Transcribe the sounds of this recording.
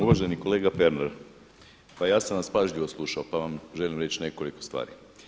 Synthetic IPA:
uʋaʒeniko̞le̞ːɡafe̞ɾneɾ | pajaːsanʋaspaʒʎiʋo̞slˠuʃaopaʋamʒelimɾe̞t͡ɕne̞ko̞liko̞st̪ʋa̰ːɾi

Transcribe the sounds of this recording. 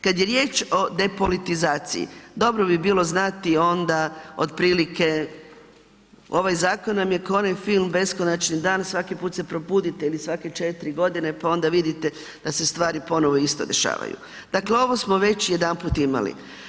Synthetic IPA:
kad̪jeɾje̞ːt͡ʃo̞d̪e̞polit̪izaːt̪sḭjḭd̪o̞bɾo̞bibiːlˠo̞znat̪io̞nd̪ao̰d̪pɾiːlike̞ | o̞ʋajzaːkonːamje̞konajfilˠmbe̞sko̞nat͡ʃnid̪aːnsʋakipuːt̪se̞pɾo̞buːd̪it̪eilisʋake̞t͡ʃe̞t̪iɾiɡo̞d̪ine̞pao̞nd̪aʋid̪it̪e | d̪̥ase̞st̪ʋaːɾipo̞no̞ʋo̞ist̪o̞̰d̪e̞ʃa̰ːʋa̰jṵ | d̪̥akleo̞ʋo̞smo̞ʋe̞t͡ɕije̞d̪anpuːt̪ima̰lḭ

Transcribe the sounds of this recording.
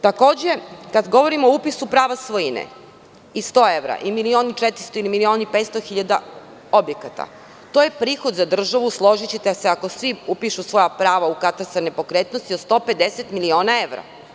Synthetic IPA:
t̪ako̞ːd͡ʑe̞kad̪ɡo̞ʋo̞ɾimooupisupɾaːʋasʋojinḛ | ist̪o̞ːe̞ʋɾa̰ʔimilio̞ːnit͡ʃet̪ɾist̪oilimilio̞ːnipet̪st̪oxiʎad̪a | o̞bjekat̪a̰ | t̪oːje̞pɾiːxod̪zad̪r̩ʒaʋuslˠo̞ʒit͡ɕit̪aseako̞sʋiupiʃusʋo̞japɾaːʋaukat̪ast̪anepo̞kɾet̪nost̪iod̪st̪o̞ped̪eset̪milio̞ːnae̞ʋɾa̰

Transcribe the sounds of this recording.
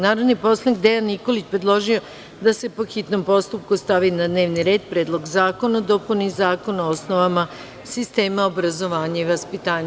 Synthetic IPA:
naːɾod̪nipo̞slˠaniɡ̚d̪e̞janːiko̞lit͡ɕpɾe̞d̪lˠo̞ʒio̞ | d̪ase̞po̞xit̪no̞mpo̞st̪up̚kust̪aʋinad̪ne̞ːʋniɾe̞ːd̪pɾed̪lˠo̞ɡzaːko̞nad̪opunizaːko̞naoosno̞ʋama | sist̪e̞ːmaobɾazo̞ʋaːɲaiʋaspit̪aːɲa

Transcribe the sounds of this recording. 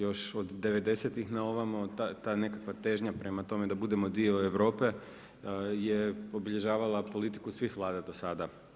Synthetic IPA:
jo̞ʃod̪ːe̞ʋe̞d̪e̞set̪ixnao̞ʋamot̪at̪ane̞kakʋat̪eʒɲapɾe̞mat̪o̞me̞d̪abud̪e̞mo̞d̪ioeʋɾo̞ːpe̞ | jeo̞biʎe̞ʒaːʋalˠapo̞lit̪i̥kusʋixʋlˠaːd̪ad̪o̞sad̪a

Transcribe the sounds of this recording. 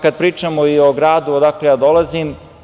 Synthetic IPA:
kad̪̚pɾiːt͡ʃamoio̞ɡɾaːd̪uod̪aːklejaːd̪o̞lˠazim

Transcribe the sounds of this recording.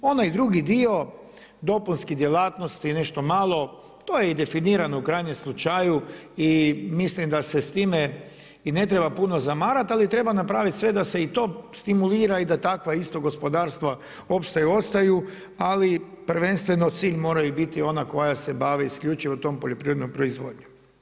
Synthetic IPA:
o̞najd̪ɾuɡid̪io̞ | d̪o̞punskid̪jelaːt̪nost̪ine̞ʃt̪o̞maːlˠo̞ | t̪o̞jeid̪e̞finiːɾanoukɾajɲemslˠut͡ʃajuimislimd̪ase̞st̪iːme | ine̞t̪ɾe̞bapuno̞zamaːɾat̪alit̪ɾe̞banapɾaːʋit̪sʋe̞d̪ase̞it̪o̞ːst̪imuliːɾaid̪at̪akʋaist̪oɡo̞spo̞d̪aːɾst̪ʋa | o̞pst̪ajuo̞st̪aju | ali | pɾʋe̞nst̪ʋe̞no̞t̪siːʎmo̞ːɾajubit̪io̞nako̞jase̞baːʋeiskʎʲut͡ʃiʋot̪o̞mpoʎʲo̞pɾiːɾd̪nompɾoizʋoːd̪ɲu

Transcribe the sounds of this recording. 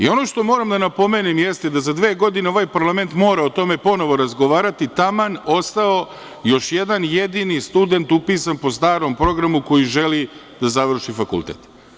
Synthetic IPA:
ḭo̞noʃt̪o̞mo̞ːɾamd̪anapo̞meːnimjest̪ed̪azad̪ʋeːɡo̞d̪ineoʋajpaɾlˠame̞nt̪mo̞ːɾaot̪o̞me̞po̞no̞ʋo̞ɾazɡo̞ʋaːɾat̪it̪amano̞st̪ao̞ | jo̞ʃjed̪anjed̪inist̪ud̪e̞nt̪upiːsanpo̞st̪aːɾo̞mpɾo̞ɡɾamuko̞jiʒe̞li | d̪̥azaʋr̩ʃifakṵlˠt̪ḛːt̪

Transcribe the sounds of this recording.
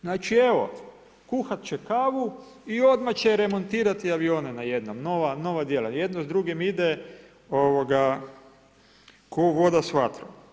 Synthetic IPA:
znaːt͡ʃieʋo̞̰ | kuxat̪t͡ɕekaʋu | io̞d̪mat͡ɕeɾe̞mo̞nt̪iːɾat̪iaʋio̞ːnenajed̪nomno̞ʋano̞ʋad̪jelaje̞d̪nozd̪ɾuɡemid̪e | oʋoɡa | koʋo̞d̪asʋat̪ɾo̰

